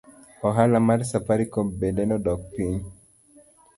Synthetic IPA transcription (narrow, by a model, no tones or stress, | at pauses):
ɔɦalamaɾsapaɾikɔbedɛnɔdɔk̚piɲ